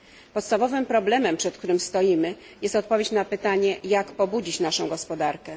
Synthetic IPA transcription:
pɔt̪st̪avɔvɘmpɾɔblɛmɛmpʂɛt̪k̚t̪uɾɘmst̪ɔjimɘ | jɛst̪ɔt̪̚pɔvʲjet͡ɕnapɘt̪aɲɛjakpɔbud͡ʑit͡ɕnaʂɔ̃w̃ɡɔspɔd̪aɾkɛ

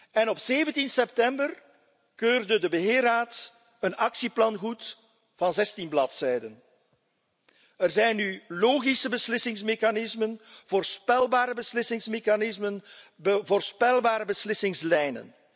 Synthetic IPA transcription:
ɛnɔpseːvəntinsɛp̚tɛmbər | køːrdədəbəɦɪːraːt | ənɑksiplɑnɣut | v̥ɑnzɛstinblɑtsɛjdən | ərzɛjnːyloːɣisəbəslɪsɪŋsmeːxanɪzmənv̥oːrspɛlˠbaːɾəbəslɪsɪŋsmeːxanɪzmənvoːrspɛlˠbaːɾəbəslɪsɪŋslɛjnə̰n

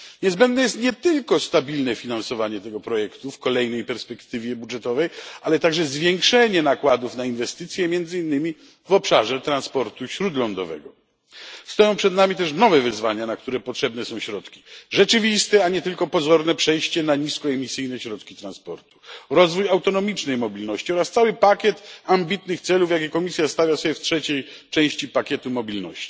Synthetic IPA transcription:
ɲɛzbɛnd̪̚nɛjɛst̪ɲɛt̪ɘlkɔst̪abʲilnɛfʲinansɔvaɲɛt̪ɛɡɔpɾɔjɛkt̪ufkɔlɛjnɛjpɛɾspɛkt̪ɘvʲjɛbudʐɛt̪ɔvɛjalɛt̪aɡʐɛzvʲjɛŋkʂɛɲɛnakwad̪ufnainvɛst̪ɘt̪sʲjɛmʲjɛnd̪zɘinːɘmʲi | vɔpʂaʐɛt̪ɾanspɔɾt̪uɕɾud̪lɔnd̪ɔvɛ̰ɡɔ | st̪ɔjɔ̃w̃pʂɛd̪namʲit̪ɛʂ̬nɔvɛvɘzvaɲanak̚t̪uɾɛpɔtʂɛbn̪ɛsɔ̃w̃ɕɾɔt̪kʲi̥ʐɛt͡ʂɘvʲist̪ɛaɲɛt̪ɘlkɔpɔzɔɾnɛpʂɛjɕt͡ɕɛnaɲiskɔɛmʲisɘjnɛɕɾɔt̪kʲi̥t̪ɾãnspɔɾt̪u̥ɾɔzvujawt̪ɔnɔmʲit͡ʂnɛjmɔbʲilnɔɕt͡ɕiɔɾast̪sawɘpakʲɛt̪ambʲit̪nɘxt̪sɛlufjak̬ʲɛkɔmʲisʲjast̪avʲjasɔbʲjɛftʂɛt͡ɕɛjt͡ʂɛ̃w̃ɕt͡ɕipakʲɛt̪umɔbʲilnɔ̰ɕt͡ɕi̥

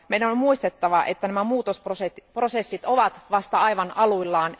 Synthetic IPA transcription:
meidænommuist̪et̪ːɑʋɑʔḛt̪ːænæmæmuːt̪osproset̪pro̞se̞sːit̪oʋɑt̪ʋɑst̪ɑɑjʋɑnɑluilːɑːn

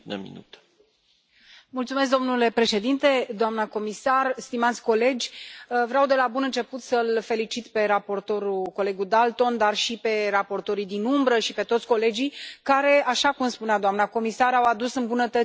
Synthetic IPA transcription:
nə̰mḭnṵt̪ə̥ | mult̪sume̞s̬d̪omnule̞pɾe̞ʃe̞d̪int̪e̞d̪oamnəko̞misarst̪imat̪sʲko̞le̞d͡ʒʲvɾeawd̪e̞labunɨnt͡ʃe̞put̪səlfe̞lit͡ʃit̪pe̞ɾapo̞rt̪o̞ɾuko̞le̞ɡud̪alt̪o̞nd̪arʃipe̞rapo̞rt̪o̞ɾijd̪inumbɾəʃipe̞t̪o̞t̪sʲko̞le̞d͡ʒijkaɾe̞aʃakumspunead̪oamnako̞misaɾawad̪usɨnbunət̪ə

